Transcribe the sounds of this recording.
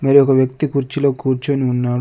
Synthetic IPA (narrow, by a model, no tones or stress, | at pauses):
mɐɾiɔkɐʋjɐkt̪ikuɾt͡ʃilo̞ːkuːɾt͡ʃoːniunːaːɽ